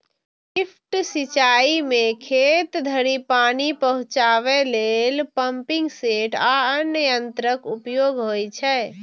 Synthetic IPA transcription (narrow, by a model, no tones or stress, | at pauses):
ipʰʈsit͡ʃaimekʰet̪d̪ʱəɾipanipəɦũt͡ʃaʋɛlelpəmpiŋɡseʈaənjəjənt̪ɾəkupjoɡɦojt͡ʃʰɛː